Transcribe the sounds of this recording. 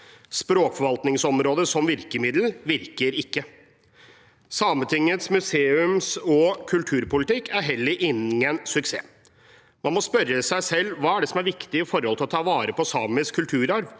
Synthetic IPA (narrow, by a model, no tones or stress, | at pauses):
spɾoːkfɔɾʋɑlt̪nɪŋsɔmɾoːd̪əsɔmʋɪɾkəmɪd̪l̩ʋɪɾkəɾɪkːə | sɑːmət̪ʰɪŋːət̪smʉseːʉmsɔkʰʉlt̪ʰʉːɾpʊlɪt̪ʰɪkːæɾɦɛlːəɾʔɪnɪənsʉksḛː | mɑnmɔspœɾːəsæɪsɛlːʋɑːæɖɛsɔmæɾʋɪkt̪ɪɪfɔɾɔlt̪ʰɪlɔt̪ʰɑːʋɑːɾəpʰɔsɑːməskʰʉlt̪ʰʉːɾɑɾʋ